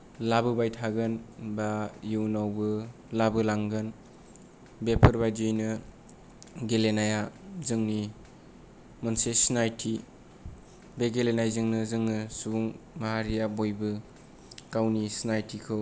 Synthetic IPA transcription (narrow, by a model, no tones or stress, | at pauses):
labɯbajtʰaɡɯnbajunawbɯ | labɯlaŋɡɯn | bepʰɯɾbajd͡ʒɯjnɯ | ɡelenajazɯŋni | mɔnsesnajtʰi | beɡelenajzɯŋnɯzɯŋnɯsubuŋmaɦaɾijabojbɯ | kawnisnajtʰikʰɯ